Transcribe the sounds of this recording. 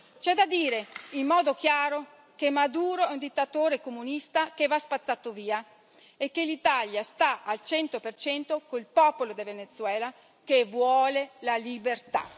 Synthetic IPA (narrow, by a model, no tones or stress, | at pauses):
t͡ʃɛd̪ad̪iːɾeimːɔːd̪ok̟jaːɾo | kemad̪uːɾoɛund̪it̪ːat̪oːɾekomunist̪ak̟evaspat̪sːaːt̪oviːa | ekːelit̪aljast̪aalt͡ʃɛnt̪opert͡ʃɛnt̪okoilpɔːpolod̪evenet̪sːwɛːla | kevwɔːlelalibert̪a̰